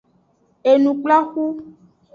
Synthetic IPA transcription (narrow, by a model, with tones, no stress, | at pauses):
e˨nũ˨k͡pla˦xu˦